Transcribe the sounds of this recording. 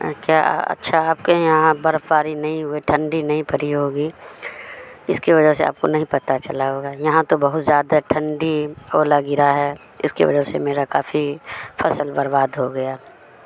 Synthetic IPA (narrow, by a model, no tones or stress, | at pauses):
kja̰ːɐ̰tːʃʰaaːpkejɐɦãbɐɾfbaːɾinɐɦĩɦʊiʈʰɐ̃ɳɖinɐɦĩpɐɾiɦoːɡiː | ɪskiʋɐd͡ʒəɦsea̰ːp̚konɐɦĩpɐt̪at͡ʃɐlaɦoːɡaːjɐɦãt̪obɐɦʊt̪zjaːd̪aʈʰɐ̃ɳɖioːlaɡɪɾaɦɛ | ɪ̰skḭʋɐ̰d͡ʒəsḛmeːɾakaːfifʰɐsəlbɐɾbaːd̪ɦoɡɐjaː